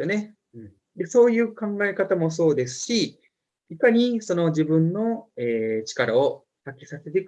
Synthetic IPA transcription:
one̞ | d̪e̞so̞ːjɯ̟ːkãŋɡae̞kat̪amo̞s̬o̞ːd̪e̞sɨ̥ɕi | ikaɲ̟iso̞no̞ʑibɯ̟̃nːo̞eːt͡ɕi̥kaɾao | sakʲi̥sase̞t̪e̞k

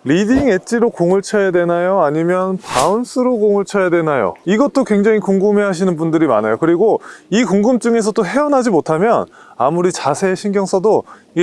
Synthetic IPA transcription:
ɾidiŋe̞t͡ɕ͈iɾokoŋɯɭt͡ɕʰʌjadwe̞najoaɲimjʌnpauns͈ʰɯɾoɡoŋɯɭt͡ɕʰʌjadwe̞najo̰iɡʌt̚t͈okwe̞ŋd͡ʑaŋikuŋɡɯme̞ɦaɕ̬ʰinɯnbundɯɾima̰najokɯɾiɡoikuŋɡɯmt͡ɕ͈ɯŋe̞s̬ʰʌt͈oɦe̞ʌnɦad͡ʑimotʰamjʌnamuɾit͡ɕasʰe̞ɕʰinɡjʌŋsʰʌdo | i

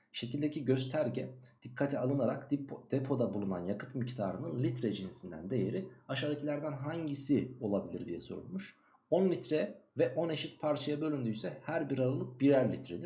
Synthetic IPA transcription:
ʃe̞cʰilʲd̪eciɟø̞zt̪ʰæɾɟɛd̪̥ikʰːat̪ʰialˠɯnaɾak̪d̪̥epʰo̞d̪abulˠuna̰njakɯ̥t̪mict̪ʰaːɾɯnɯnlʲit̪ɾɛd͡ʒinsind̪æ̰nd̪e̞jeɾiaʃaːd̪acʰilʲæɾd̪ænɦaɲɟisio̞lˠabilʲḭɾd̪ijɛ̰so̞̰ɾṵlˠmuʃ | o̞nlʲit̪ɾɛvɛʔo̞ne̞ʃit̪̚pʰaɾt͡ʃʰajabø̞lʲynd̪yysɛhæɾbiɾaɾalˠɯk̚biɾæɾlʲit̪ʰɾed̪iɾ

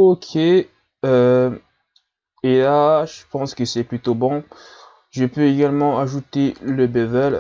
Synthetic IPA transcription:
okʲʰe | ø | elaʒəpɑ̃skəsɛplyt̪obɔ̃ | ʒəpøeɡalmɑ̃aʒut̪eləbɛvɛl

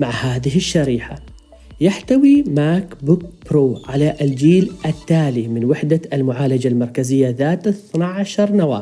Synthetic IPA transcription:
maʕhaːðɪɦɪʃːaɾiːħa | jaħt̪awimaːkbuk̚bɾoːʕalaʔld͡ʒiːlʔat̪ːaːlimɪnwɪħd̪aalmʊʕaːlad͡ʒalmɑɾˤkazɪjːaðaːt̪aθnaʕaʃɑɾˤnawa̰ː

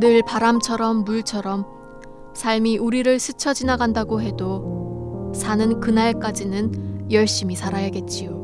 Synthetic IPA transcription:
nɯɭpaɾamt͡ɕʰʌɾʌmːuɭt͡ɕʰʌɾʌm | sʰaɭmiʔuɾiɾɯɭsʰɯt͡ɕʰʌd͡ʑinaɡandaɡoɦe̞do | sʰanɯnkɯnaɭk͈ad͡ʑinɯnjʌɭɕ͈imisʰaɾajʌɡe̞t̚t͡ɕ͈ijo

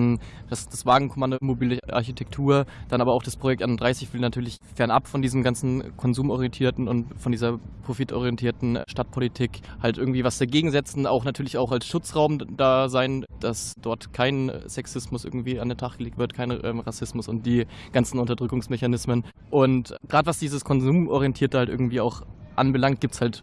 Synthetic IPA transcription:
md̥asd̥asv̥aːɡŋ̩kʰɔmandomobiːləʔa̰ɐçitʰɛk̚tʰuːɐd̥anʔaːbɐaʊxd̥aspʁ̥ojɛktʔaɪnnd̥ʁaɪsɪçv̥ɪlnatʰyːɐlɪç | fɛɐnʔa̰pfɔndiːzm̩ɡant͡sn̩kʰɔnzuːmɔʁiɛntʰiːɐtn̩ʊntfɔndiːzɐpʁ̥ofɪtʰɔ̰ʁ̞iɛntʰiːɐtn̩ʃtat̚pʰolitʰiːkhaltʔɪɐɡŋ̩tv̥iːvasd̥aɡeːɡŋ̩zɛt͡sn̩a̰ʊxnatʰyːɐlɪçaʊxalsʃʊt͡sʁaʊmd̥aːzaɪnd̥asd̥ɔɐtkʰaɪnsɛksɪsmʊsʔɪ̰ɐɡŋ̩tv̥iːa̰ndeːntʰaχɡ̥əleːk̚tv̥ɪɐtkʰaɪnʔɛ̰ːmʁasɪsmʊsʊnt̚d̥iːɡ̥ant͡sn̩ʊntɐdʁʏkʊŋsmɛçanɪsmən | ʔʊntɡ̥ʁaːdəvasd̥iːzəskʰɔnzuːmʔɔʁiɛntʰiːɐtəhaltʔɪ̰ɐɡŋ̩tv̥iːaʊxʔanbəlaŋkt̚ɡ̥iːp̚tshalt

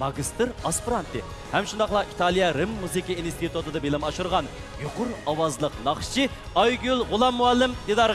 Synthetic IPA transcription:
mɑɡʲist̪ɨɾɑspɾant̪e | hæmʃʊnd̪ɑqlˠɑʔit̪ʰɑlˠijɑɾɪmːuzikʲiinst̪it̪ut̪ɨd̪ɑbelɪmɑʃuɾʁɑn | jʊqʊɾɑwɑzlˠəqnɑχʃi | ɑjɡʲylˠʁʊlˠɑmːuɑlːɪmd̪ed̪ɑɾʁ

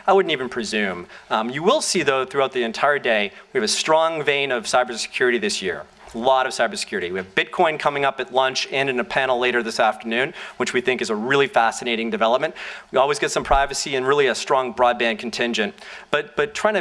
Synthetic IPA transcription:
aɪwʊdⁿn̩tivɨ̃n̩pʰɹ̥izʉ̃mjɨwɪlˠsiðoʊθɹʉaʊt̪̚ðiɨ̃ntʰaɪə˞deɪwiɨvɨstɹ̥ɔ̃ŋvẽɪ̃nʌv̥saɪbə˞sɨ̥kʰj̥ʊɹɨɾiðɪsjɪ̰ɹ | əlɔɾʌv̥saɪbə˞sə̥kʰj̥ʊɹɨɾiwiɨvbɪt̚kʰɔ̃ɪ̃nkʰʌmɪ̃ŋʌpɨtˡlʌ̃nt͡ʃɨ̃nɨ̃nɨpʰænl̩ˠleɪɾə˞ðɪsæftə˞nʉ̃nwɨt͡ʃwiθɪ̃ŋkɨzəɹɪlˠifæsɨneɪɾɪ̃ŋdɨvɛlˠəp̚mɨ̃nʔwiɔlˠwizɡɛtsʌ̃mpʰɹ̥aɪvɨsiɨ̃nɹɪlˠiɨstɹ̥ɔ̃ŋbɹɔd̚bæ̃n̚kʰn̩tʰɪ̃nd͡ʒɨ̃ntb̥ʌt̚b̥ʌtʰɹ̥aɪɪ̃ɨ

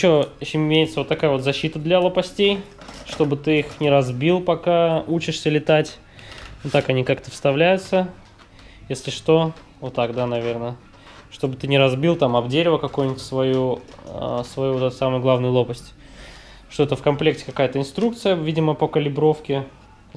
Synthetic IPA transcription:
ɪɕːoɕɪmɪmʲejɪt̪səvo̞t̪ːɐkajəvo̞t̪zɐɕːit̪əd̪lʲɐlˠəpɐsʲtʲejʂt̪o̞bɨt̪ɨixnʲɪɾɐzbʲilˠpɐkaut͡ɕɪʂsʲəlʲɪt̪atʲ | ot̪ːakɐnʲikakt̪əfst̪ɐvlʲæjʊt̪sə | jesʲlʲɪʂt̪o̞ | vot̪ːakd̪anɐvʲe̞rnə | ʂt̪o̞bɨt̪ɨnʲɪɾɐzbʲilˠt̪amɐbdʲeɾʲɪvəkɐkujnʲɪtʲsvɐju | svɐjuvo̞t̪ɛt̪samɨjɡlˠavnɨjʊlˠo̞pəsʲtʲ | ʂt̪oɛt̪əfkɐmplʲe̞k̚tʲɪ̥kɐkajət̪əɪnst̪ɾuk̚t̪sɨjəvʲidʲɪməpəkəlʲɪbɾo̞fkʲɪ

